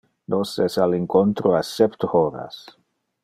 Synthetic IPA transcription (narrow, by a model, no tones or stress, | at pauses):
nosɛsaliŋkont̪ɾoasɛpt̪oɾa̰s